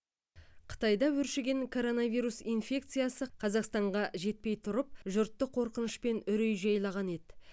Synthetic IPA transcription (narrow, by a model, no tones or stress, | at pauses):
qʰə̥t̪ɑjd̪ɑwɵɾʃeɡʲe̞ŋkʰo̞ɾo̞nɑvijɾusinfʲe̞k̚t̪sɨjasəqʰɑzɑqst̪ɑɴʁɑʒe̞t̪̚pe̞jt̪ʰʊɾəp̚ʒʊɾt̪ːəqʰo̞ɾqənəʃpe̞nʏɾejʒɑjlˠɑʁɑne̞d̪ɪ